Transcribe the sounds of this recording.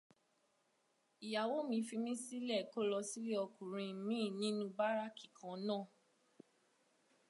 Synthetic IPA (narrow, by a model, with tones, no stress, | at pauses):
i˨ja˨wo˨˦mĩ˧fi˧mĩ˦si˦lɛ˦˨ko˦lɔ˧si˦li˦ɔ˧kũ˨ɾ̃ĩ˧˨mĩ˦˨nĩ˦nũ˧˦ba˦ɾa˦ki˨kʰã˨˦nãː˦˨